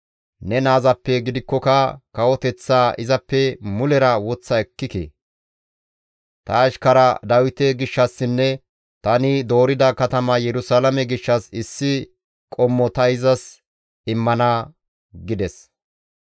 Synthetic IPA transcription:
nɛnaːzɐpːɛɡɪd̪ɪkːɔkɐkɐwɔt̪ɛt͡sːaːʔɪzɐpːɛmʊlɛɾɐwɔt͡sːɐɛkːɪkḛː | t̪ɐːʃkɐɾɐd̪ɐwɪt̪ɛɡɪʃːɐsːɪnːɛ | t̪ɐnɪd̪o̞ːɾɪd̪ɐkɐt̪ɐmɐjɛɾʊsalɐmɛɡɪʃːɐsɪsːɪ | kʼɔmːɔt̪ɐɪzɐs | ɪmːɐnɐ | ɡɪd̪ɛs

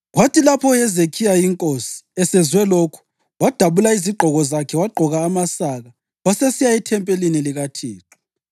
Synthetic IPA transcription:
ɣwatʰilapʰɔɛzekʰijajiŋkʼosi̥ɛsɛzwɛlokʰu̥ | wad̥ʱaβulaiziɡ͡ǃʱɔɣɔzakʰɛwaɡ͡ǃʱɔɣaːmasaɣa | wasesijaitʰɛmpʼeliniliɣatʰiːǁɔ̥

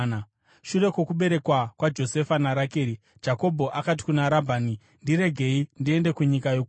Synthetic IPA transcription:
n | ʃure̞kwokuɓe̞ɾe̞kwakwad͡ʒo̞se̞fanaɾakeːɾi | d͡ʒako̞bʱo̞ʔakat̬i̥kunaɾabʱaːni | ndiɾe̞ɡʱe̞indie̞nde̞kuɲikajoku

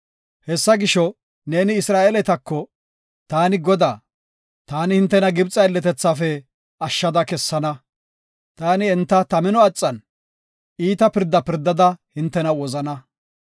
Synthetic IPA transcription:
hɛsːɐɡɪʃɔ | ne̞ːnɪɪsɾaːʔelɛt̪ɐkːɔ | t̪aːnɪɡɔd̪aː | t̪aːnɪhɪnt̪ːɛnɐɡɪbt͡sʼɐɛlːɛt̪ɛt͡sːaːfɛ | ɐʃːɐd̪ɐkɛsːɐnɐ | t̪aːnɪɛnt̪ːɐt̪ɐmɪnɔɐt͡sʼːɐn | iːt̪ɐpɪɾd̪ːɐpɪɾd̪ːɐd̪ɐhɪnt̪ːɛnɐwɔzɐnɐ

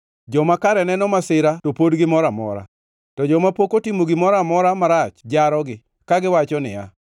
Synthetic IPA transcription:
d͡ʒɔmakaɾɛnɛnɔmasɪɾatopodɡɪmɔɾamɔ̰ɾa̰ | tɔd͡ʒɔmapokotimoɡɪmɔɾamɔɾamaɾat͡ʃd͡ʒaɾɔɡɪ | kaɡɪwat͡ʃɔnɪ̰ja̰

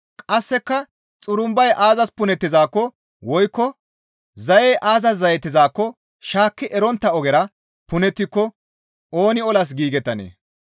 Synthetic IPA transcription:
kʼɐsːɛkːɐ | t͡sʼʊɾʊmbɐjʔaːzɐspʊnɛt̪ːɪzaːkːɔ | wɔjkːɔ | zɐjɛʔaːzɐs̬zɐjɛt̪ːɪzaːkːɔ | ʃaːkːɪʔɛɾɔnt̪ːɐɔɡɛɾɐ | pʊnɛt̪ːɪkːɔ | ʔo̞ːnɪɔlɐs̬ɡiːɡɛt̪ːɐnḛː

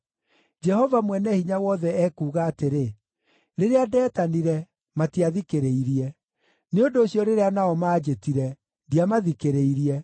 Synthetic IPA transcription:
d͡ʒɛhɔvamwɛnɛhiɲawɔðɛɛːkuːɣaːteɾe | ɾeɾeadɛːtaniɾɛ | matiaðikeɾeiɾiɛ | neondoːɕjɔɾeɾeanaɔmaːd͡ʑetiɾɛ | diamaðikeɾeiɾiɛ

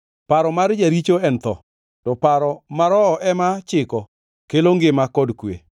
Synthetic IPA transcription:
paɾɔmaɾd͡ʒaɾit͡ʃoɛnt̪ɔ̰ | tɔpaɾɔmaɾɔːʔɛmat͡ʃɪkɔ | keloŋɡɪmakɔdkwḛ

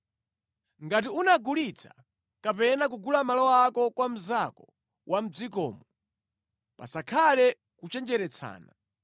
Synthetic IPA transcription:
ŋɡat̬iunaɡulit͡sʰḁ | kapɛnak̬uɡulamalɔwakɔkwam̩zakɔ | wʔam̩d͡zikɔ̰ːmɔ | pa̰sakʰalɛ | kut͡ʃɛnd͡ʒɛɾɛt͡sʰa̰ːna

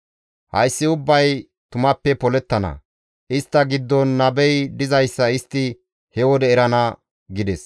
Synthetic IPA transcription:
hɐ̰jsːɪʊbːɐj | t̪ʊmɐpːɛpɔlɛt̪ːɐnɐ̰ | ʔɪst̪ːɐɡɪd̪ːɔnːɐbɛjd̪ɪzɐjsːɐɪst̪ːɪ | hɛwɔd̪ɛːɾɐnɐ | ɡɪd̪ɛs

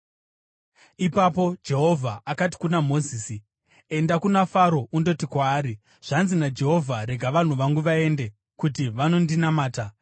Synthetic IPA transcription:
ipapo̞d͡ʒe̞ɦo̞vʱaakati̥kunamo̞ziːsi | e̞ndakunafaɾo̞ʔundo̞tikwaːɾi | ʐ̥anzinad͡ʒe̞ɦo̞vʱaɾe̞ɡʱaʋan̤uʋaŋɡuʋae̞nde̞ | kut̬iʋano̞ndinamaːta

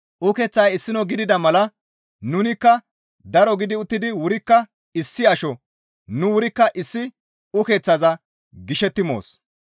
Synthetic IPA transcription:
ʔʊkɛːt͡sːɐjɪsːɪnɔɡɪd̪ɪd̪ɐmɐlɐ | nʊnɪkːɐ | d̪ɐɾɔɡɪd̪ɪʊt̪ːɪd̪ɪwʊɾɪkːɐ | ɪsːɪɐʃɔ | nʊwʊɾɪkːɐʔɪsːɪ | ʊke̞ːt͡sːɐzɐ | ɡɪʃɛt̪ːɪmo̞̰ːs

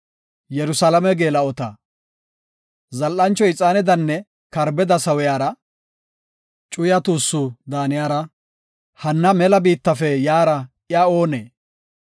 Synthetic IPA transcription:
jɛɾʊsɐlɐmɛɡeːlɐɔt̪ɐ | zɐlʔːɐnt͡ʃːɔɪt͡sʼaːnɛd̪ɐnːɛ | kɐɾbɛd̪ɐsɐwɔjaːɾɐ | t͡ʃʼʊjɐt̪uːsːʊd̪aːnɪjaːɾɐ | hɐnːɐmɛlɐbiːt̪ːɐfɛjaːɾɐ | ɪjao̞ːneː

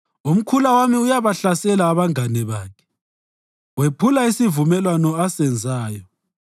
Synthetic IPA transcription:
um̩kʰulawamiujaβaɬasɛlaːβaŋanɛβaːkʰɛ̥ | wepʰulaisivumɛlwanɔasɛnd͡zʱaːjɔ

